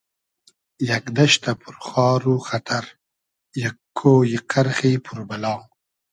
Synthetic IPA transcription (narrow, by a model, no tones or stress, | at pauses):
jakd̪aʃt̪apʰuɾχɑːɾuxat̪ʰaɾ | jakʰːojiqaɾxipʰuɾbalɑːŋ